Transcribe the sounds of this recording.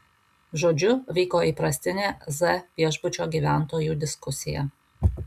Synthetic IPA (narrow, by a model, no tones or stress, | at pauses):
ʒoːd͡ʒʲʊʋʲɛɪkoːiːˑpɾɐsʲt̪ʲɪnʲeːzɛʋʲiɛʒbʊt͡ʃʲoːɡʲiːʋʲæˑnt̪oːjuːd̪ʲɪskʊsʲɪjɛ̰